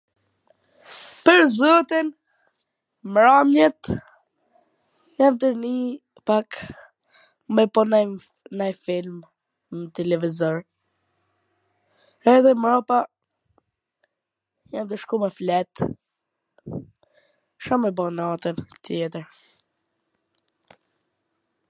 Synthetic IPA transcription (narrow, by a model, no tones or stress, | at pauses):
pəɾzɔt̪in | mɾamjɛt̪ | jafd̪əɾni | pak | mɛpɔnɛjm | najfilm | mət̪ɛlɛvizɔɾ | ɛðɛmɾɔpa | jand̪əʃkumɛflɛt̪ | ʃɔmɛbɔnat̪ənt̪jɛt̪əɾ